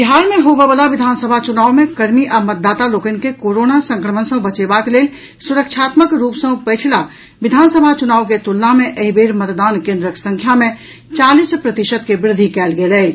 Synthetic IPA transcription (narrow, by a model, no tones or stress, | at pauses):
biɦaːɾmẽɦoːbebəlaʋɪd̪ʱaːnsəbʱat͡ʃʊnaːwmẽkɐɾmiʔəmət̪̚d̪aːt̪aloːkənkekoːɾoːnasə̃ŋkɾəmənsə̃bɐt͡ʃeːbakleːl | sʊɾəkʃʰaːt̪məkɾuːpsə̃pɛt͡ʃʰila | ʋɪd̪ʱaːnsəbʱat͡ʃʊnaːwk̬et̪ʊlːamẽʔəɦibeːɾmət̪d̪aːnkẽːnd̪ɾəksə̃ŋkʰjamẽ | t͡ʃaːlispɾət̪ɪʃəd̪̚kebɾɪd̪ʱːikɛːlɡelɛː